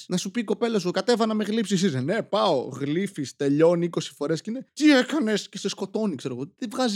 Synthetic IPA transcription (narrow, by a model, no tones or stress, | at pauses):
nɐsupiko̞pe̞lɐsuokɐt̪e̞vɐnɐmeɣlipsis̬izne̞pɐo̞̰ɣlifist̪e̞ʎo̞niiko̞si̥fo̞ɾe̞scinet̪iekɐne̞scesesko̞t̪o̞nikse̞ɾo̞ɣotevɣɐz